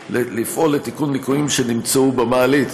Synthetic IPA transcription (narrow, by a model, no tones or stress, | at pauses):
elifʔo̞lːet̪ikunmikuimʃenimt͡saubamaːlit͡s